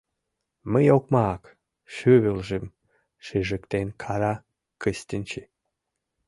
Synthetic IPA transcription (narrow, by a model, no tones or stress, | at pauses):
məjok̚mɑk | ʃyβølʒem | ʃeʒəkt̪enkʰɑɾɑ | kəst̪ʲənʲt͡ɕe